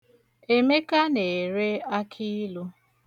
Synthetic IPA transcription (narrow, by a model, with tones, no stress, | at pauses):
e˨me˦ka˦ne˨ɾe˦a˦kʰi˦lu˦